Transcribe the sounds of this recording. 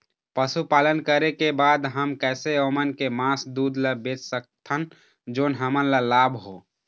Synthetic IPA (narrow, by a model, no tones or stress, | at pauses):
pəsupaːlənkəɾekebaːd̪ɦəmkɛːseomənkemaːsd̪uːd̪ləbeːt͡ʃsək̚t̪ʰən | d͡ʒoːnɦəmənləlaːbʱɦoː